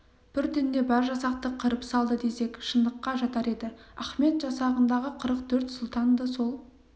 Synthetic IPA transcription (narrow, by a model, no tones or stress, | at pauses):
b̥ɪɾt̪ʰɪnd̪e̞bɑɾʒɑsɑq̚t̪əqʰəɾəpsɑlˠd̪əd̪e̞se̞kʃənd̪əqːɑʒɑt̪ɑɾe̞d̪ɪæχme̞t̪ʒɑsɑʁənd̪ɑʁəqʰəɾəqt̪ʰɵɾt̪sʊlˠt̪ɑnd̪əso̞lˠ